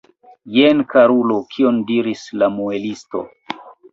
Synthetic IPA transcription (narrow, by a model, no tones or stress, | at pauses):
jenkaɾulo̞kʰiondiɾislamuelisto̰